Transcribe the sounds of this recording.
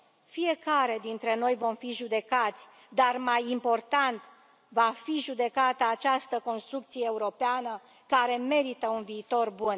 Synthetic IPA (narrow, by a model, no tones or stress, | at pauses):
fie̞kaɾe̞d̪int̪ɾe̞no̞jvo̞mfiʒud̪e̞kat̪sʲ | d̪armajimpo̞rt̪ant̪ | vafiʒud̪e̞kat̪əat͡ʃast̪əko̞nst̪ɾuk̚t̪sije̞ːuɾo̞peanə | kaɾe̞me̞ɾit̪əunviːt̪o̞rbun